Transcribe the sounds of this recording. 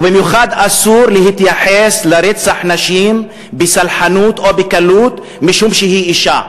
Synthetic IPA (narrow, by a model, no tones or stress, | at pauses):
bemjuxad̪ʔasuɾleɦit̪jaħeslaɾet͡saħnaʃim | besalħanuːt̪ʔobekaluːt̪ | miʃumʃehiʔiʃa